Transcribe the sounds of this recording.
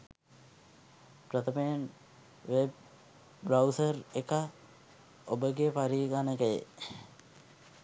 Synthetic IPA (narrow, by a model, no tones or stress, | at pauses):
prət̪əmejən | ʋeb̚ | bɾawsərekə | obəɡepaɾiːɡanəkəjḛ